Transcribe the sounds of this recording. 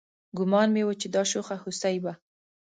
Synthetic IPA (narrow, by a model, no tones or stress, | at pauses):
ɡʊmɑnmewət͡ʃed̪ɑʃoxahusajba